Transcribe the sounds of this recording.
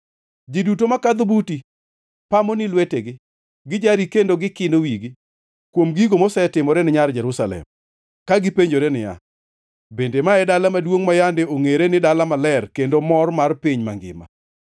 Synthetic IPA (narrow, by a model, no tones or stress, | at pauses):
d͡ʒidutomakad̪ʊbuti | pamonɪlweteɡɪ | ɡɪd͡ʒaɾikendoɡɪkɪndowiɡi | kwomɡiɡomosɛtɪmɔɾɛnɪɲard͡ʒɛɾusalɛ̰m | kaɡɪpeɲd͡ʒoɾenɪja̰ | bendemaɛdalamadwoŋmajandeoŋeɾenɪdalamalɛrkendomɔrmarpiɲmaŋɡɪ̰ma̰